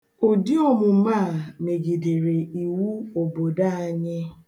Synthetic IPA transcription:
o˨di˦ɔ˦˨mʊ˨m̩˦ma˦˨me˨ɡi˨de˨ɾe˨i˨wu˦o˨bo˨da˦a˦ɲɪ˦

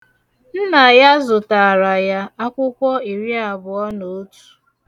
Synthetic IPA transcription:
n̩˦na˨ja˦zʊ˨ta˨ɾa˨ja˦a˦kʷʊ˦kʷɔ˦i˨ɾi˦a˨bʊ˨ɔ˦no˨o˦tu̥˨

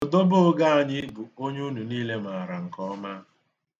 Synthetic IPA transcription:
ʊ˨do˦bʊ˦ɡa˦a˨ɲɪ˦bu˨o˦ɲe˦u˦nu˨niː˦le˦m˨a˨a˨ɾa˨ŋ̩˨kɔ˦ma˦

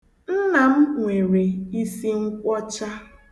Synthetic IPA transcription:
n̩˦na˨m̩˦ŋʷe˨ɾe˨i˦si˦ŋ̩˦kʷɔ˦t͡ʃa˦

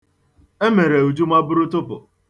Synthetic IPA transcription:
e˦me˨ɾe˨u˨d͡ʒu˦ma˦bʊ˦ɾʊ˦tʊ˦pʊ̰˨

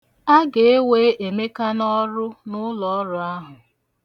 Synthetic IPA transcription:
a˦ɡe˨e˦we˦ʔe˨me˦ka˦nɔ˦ɾʊ˦nʊ˦lɔ˨ɔ˦ɾʊ˦a˦ɦʊ˨

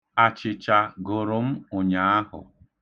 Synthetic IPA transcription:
a˨t͡ʃɪ˨t͡ʃa˨ɡʊ˨ɾʊ˨m̩˦ʊ˨ɲa˨a˦ɦʊ̰˨

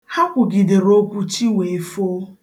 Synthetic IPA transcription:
ha˦kʷʊ˨ɡɪ˨de˨ɾo˦kʷu˦t͡ʃi˦ŋʷe˨e˨fo˦

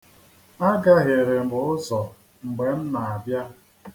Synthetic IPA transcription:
a˦ɡa˦ɦe˨ɾe˨m̩˨bʊ˨˦ʊ˦sɔ˨ | ŋ͡m̩˨ɡ͡be˨n̩˦na˨a˨bja˦

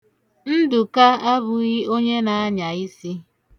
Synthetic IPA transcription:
n̩˦dʊ˨ka˦a˦bʊ˨ɣi˦o˦ɲe˦na˨a˦ɲa˨i˦si˦

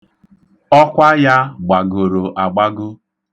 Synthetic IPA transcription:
ɔ˦kʷa˦ja˦ɡ͡ba˨ɡo˨ɾo˨ʔa˨ɡ͡ba˦ɡʊ˦

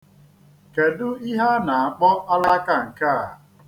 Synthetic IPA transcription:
ke˨dʊ˦i˦ɦa˦na˨a˨k͡pɔ˦ʔa˦la˦ka˦ŋ̩˨ka˦˨

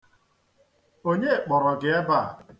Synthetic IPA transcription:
o˦ɲe˦˨k͡pɔ˨ɾɔ˨ɡɪ˨e˦ba˦˨

